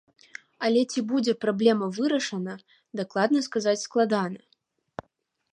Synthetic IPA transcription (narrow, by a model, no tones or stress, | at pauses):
ɐlʲɛt͡sʲibud͡zʲɛpɾablʲɛmɐvɨɾɐʂɐnɐ | d̪aklˠad̪̚nɐskazat͡sʲsklˠad̪anɐ